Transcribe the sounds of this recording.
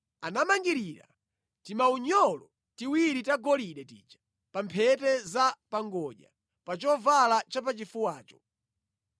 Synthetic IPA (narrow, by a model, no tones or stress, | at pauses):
anamaŋɡiɾiɾa̰ | timauɲɔlɔ | tiwiɾitaɡɔliɗɛtḭːt͡ʃḁ | pampʰɛtɛzapaŋɡɔʄa̰ | pat͡ʃɔvalat͡ʃap̬at͡ʃifuwaːt͡ʃɔ̥